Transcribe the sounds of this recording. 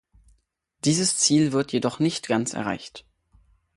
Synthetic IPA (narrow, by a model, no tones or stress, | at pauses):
d̥iːzəst͡siːlvɪɐtʰjedɔχnɪçtɡ̥ant͡sʔɛ̰ɐʁa̰ɪçt